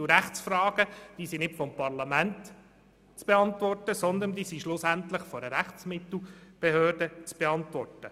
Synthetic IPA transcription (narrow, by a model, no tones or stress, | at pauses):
ɾæχt͡sfrɑːɡ̥əd̥iːsinɪtfɔmpɑɾlɑmænt | t͡sb̥eɑntʋɔrtəsɔnd̪əndiːsiʃlʊsæntlɪχfɔɾəɾæχt͡smɪt̪l̩ˠb̥eɦøːrd̥ət͡sb̥eɑnt̪ʋɔrtə